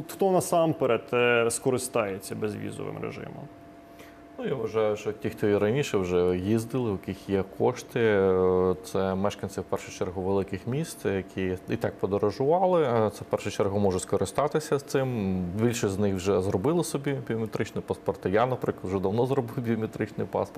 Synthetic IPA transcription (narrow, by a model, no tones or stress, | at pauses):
xt̪ɔnɐsɑmpeɾet̪ɛskɔɾɪst̪ɑjet͡sʲːɐbezʲʋʲḭzɔ̰ʋɪ̰mɾḛʒɪ̰mʊ̰m | nujaʋʋɐʒɑjʊʃt͡ʃɔtʲixt̪ɔiɾɐnʲiʃɛwʒɛjizd̪ɪlˠɪʊkʲixjɛkʰɔʃt̪ɪ | t̪sɛmɛʃkɐnʲsʲɪwpɛrʃʊt͡ʃɛrɦʊʋelˠɪkɪxmʲist̪jɐkʲʰiit̪ɑk̚pɔd̪ɔɾɔʒʊʋɑlˠɪt̪sɛwpɛrʃʊt͡ʃɛrɦʊmɔʒɛskɔɾɪst̪ɑt̪ɪsʲɐst̪ɪmbʲilʲʃiznɪxwʒɛzɾɔbɪlˠɪsɔbʲibʲiɔmʲet̪ɾɪt͡ʃnɪpɐspɔrt̪ɪjanɐpɾɪklˠɐtwʒɛd̪ɐwnɔzɾɔbɪwbʲiɔmʲet̪ɾɪt͡ʃnɪjpɑ̰spɔrt̪